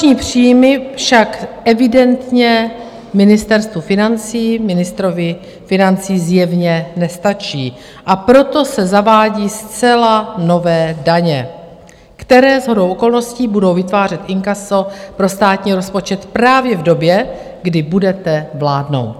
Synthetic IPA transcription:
ɲiːpr̥iːjmɪfʃakʔɛvɪdɛnt̪ɲɛ | mɪnɪst̪ɛɾst̪vufɪnant͡siːmɪnɪst̪ɾovɪ | fɪnant͡siːzjɛvɲɛnɛst̪at͡ʃiː | ʔapɾo̞t̪o̞sɛzavaːɟiːst͡sɛlano̞vɛːdaɲɛ | kt̪ɛɾɛːzɦo̞dowʔoko̞lno̞sciːbudo̞wvɪt̪vaːr̝ɛt̪ʔɪŋkaso̞pɾo̞st̪aːt̪ɲiːɾo̞spo̞t͡ʃɛt̪pɾaːvjɛvdo̞bjɛ | ɡdɪbudɛt̪ɛvlaːdno̞̰wt̪

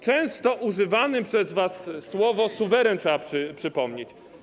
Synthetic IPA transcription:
t͡ʂɛ̃w̃st̪ɔʔuʐɘvanɘpʂɛzvasːwɔvɔsuvɛɾɛntʂɛapʂɘpʂɘpɔmɲet͡ɕ

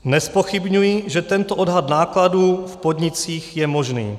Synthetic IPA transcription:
nɛspoxɪbɲujiʒɛt̪ɛnt̪oʔodɦat̪naːkladuːfpod̪ɲɪt͡siːxjɛmo̞ʒnḭː

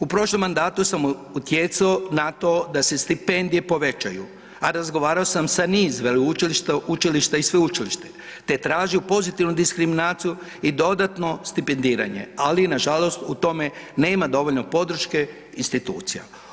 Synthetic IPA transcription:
upɾo̞ʃlˠo̞mːand̪aːt̪usamuut̪je̞t̪saonat̪o̞ːd̪ase̞st̪ipe̞nd̪ije̞po̞ʋe̞t͡ʃajṵ | aɾazɡo̞ʋaːɾaosamsaniːzʋelut͡ʃiliʃt̪ut͡ʃiliʃt̪aisʋe̞ut͡ʃiliʃt̪e̞t̪e̞t̪ɾaːʒiupo̞zit̪iʋnud̪iskɾiminaːt̪siju | id̪o̞d̪at̪no̞st̪ipe̞nd̪iːɾa̰ɲe̞̰alinaʒalo̞st̪ut̪o̞me̞ne̞ːmad̪o̞ʋo̞ʎno̞po̞d̪ɾ̩ʃke̞ | inst̪it̪uːt̪sija̰

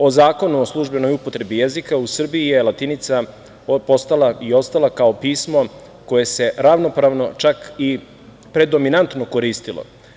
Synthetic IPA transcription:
o̞zaːko̞nuoslˠuʒbe̞no̞jupot̪ɾe̞bijezikausr̩biijelat̪init̪sa | post̪alaio̞st̪alˠakaopiːsmo̞ | ko̞je̞se̞ɾaʋno̞pɾaʋno̞t͡ʃaki | pɾe̞d̪o̞minant̪nokoɾiːst̪ilo̰

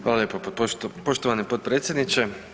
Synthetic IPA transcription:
ʋaːlaljeːpopoʃt̪oʋanipot̪̚pɾeːt̪sjed̪nit͡ɕe

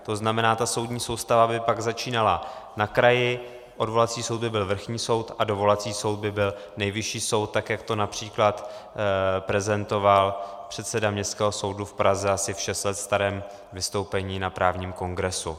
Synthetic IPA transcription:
t̪o̞znamɛnaːt̪aso̞wd̪ɲiːso̞wst̪avabɪpaɡzat͡ʃiːnalanakɾajɪ | ʔo̞dvo̞lat̪t͡siːsowd̪bɪbɪlvr̩xɲiːso̞wt̪adovo̞lat͡siːso̞wd̪̚bɪbɪl | nɛjvɪʃiːso̞wt̪̚ːakjakt̪o̞napr̝̥iːklat̪ | pɾɛzɛnt̪o̞valpr̝̥ɛt̪sɛdamɲɛst̪kɛːɦo̞so̞wdufpɾʔazɛasɪfʃɛst̪lɛt̪st̪aɾɛːm | vɪst̪o̞wpɛɲiːnapɾʔaːvɲiːmko̞ŋɡɾɛsu

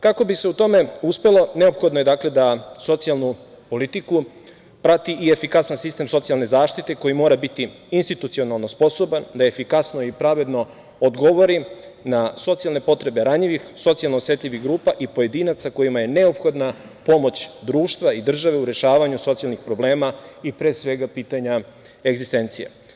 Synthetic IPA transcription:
kako̞bise̞ut̪o̞me̞uspe̞lo̞ne̞o̞pxo̞d̪noje̞d̪akle̞d̪aso̞t̪sialˠnu | po̞lit̪iku | pɾat̪iʔiefikasansist̪e̞mso̞t̪ialne̞zaːʃt̪it̪e̞ko̞jimo̞ːɾabit̪i | inst̪it̪ut̪sio̞nalˠno̞spo̞so̞band̪aefikasnoipɾaʋe̞d̪no̞ | od̪ɡo̞ʋo̞ɾi | naso̞t̪sijalˠne̞po̞t̪ɾe̞be̞ɾaɲiʋixso̞t̪sialˠnosʋet̪ʎʲiʋiɣɡɾuːpaʔipo̞je̞d̪iːnat̪sako̞jimaje̞ne̞o̞pxo̞d̪na | po̞mo̞t͡ɕd̪ɾuːʃt̪ʋaid̪r̩ʒaʋe̞uɾe̞ʃaːʋaɲuso̞t̪sijalˠnixpɾo̞ble̞ːmaipɾeːsʋe̞ɡapiːt̪aɲa | eɡzist̪e̞nt̪sijḛ

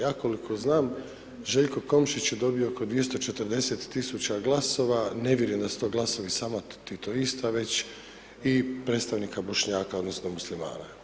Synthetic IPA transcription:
jaːko̞likʰo̞znaːm | ʒe̞ʎko̞ko̞mʃit͡ɕjed̪o̞bijooko̞d̪ʋije̞st̪o̞t͡ʃe̞t̪ər̩ɾd̪e̞set̪ːisut͡ɕaɡlˠaso̞ʋane̞ʋʲjeɾjimd̪asu̥t̪oːɡlˠaso̞ʋisaːmat̪it̪oist̪aʋe̞t͡ɕ | ipɾe̞ːt̪st̪aʋnikabo̞ʃɲaːkao̞d̪no̞snomuslima̰ːna̰

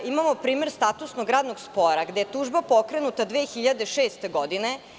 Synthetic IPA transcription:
imamopɾiːme̞ɾst̪at̪usnoɡɾaːd̪noɡspoɾaɡd̪eet̪uːʒbapokɾe̞nut̪ad̪ʋeːxiʎad̪eʃeːst̪e̞ɡod̪ine

